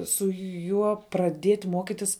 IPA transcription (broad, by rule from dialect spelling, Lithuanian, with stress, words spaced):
sʊ ˈjuɔ prɐˈdʲiɛtʲ ˈmuɔkʲɪtʲɪs